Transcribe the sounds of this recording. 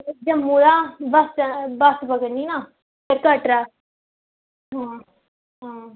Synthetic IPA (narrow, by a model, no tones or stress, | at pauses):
d͡ʒəmːũːɾaːbəsbəsbəɡəniːnaː | pəɾkəʈɾaː | ɦãː | ɦãː